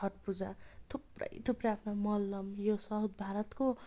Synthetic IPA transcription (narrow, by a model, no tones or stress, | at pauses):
ʌʈ̚pud͡zat̪ʰuprʌ̰jt̪ʰuprʌapʰnomʌlːʌmjosʌɦud̪̚bʱaɾʌt̪ko